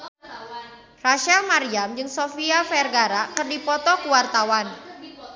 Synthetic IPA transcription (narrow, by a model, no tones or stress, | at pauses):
raʃalmaɾiamd͡ʒɨŋsofiafɛrɡaɾakərdipɔt̪ɔkuwart̪awan